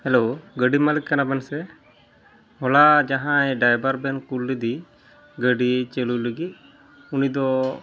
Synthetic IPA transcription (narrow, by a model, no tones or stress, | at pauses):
hɛloɡəɖimalikːanabansɛ | ɦɔlad͡ʒaɦãɛɖajbaɾbɛnkulːid̪i | ɡəɖit͡ʃeluləɡit̪̚ | unid̪ɔ